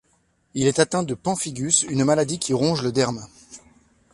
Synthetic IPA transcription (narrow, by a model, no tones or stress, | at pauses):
ilɛt̪at̪ɛ̃d̪əpɑ̃fiɡʲysynmalad̪ikʲiʁɔ̃ʒləd̪ɛʁm